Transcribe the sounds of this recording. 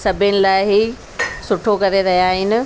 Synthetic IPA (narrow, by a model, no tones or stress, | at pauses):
sɐbʱɪnɪ̆laːɪɦi | sʊʈʰokɐɾeɾɐɦjaːɦɪnɪ̆